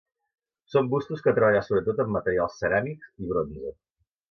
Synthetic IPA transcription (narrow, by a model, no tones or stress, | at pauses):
sombust̪uskət̪ɾəβaʎasoβɾət̪ot̪əmːət̪əɾialˠsːəɾamiksiβɾonzə